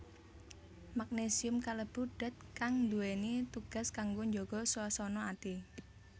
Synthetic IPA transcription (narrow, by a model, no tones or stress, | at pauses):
mak̚nesiʊmkaləb̥ṳɖ̥a̤t̪̚kaŋnd̪uwenit̪uɡ̥a̤skaŋɡoɲd͡ʒoɡ̥ɔ̤ssɔnɔat̪i